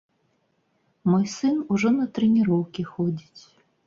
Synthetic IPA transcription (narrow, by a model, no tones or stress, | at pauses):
mɔjsɨnuʐɔnɐt̪ɾɛnʲiɾɔwkʲixɔdʲit͡sʲ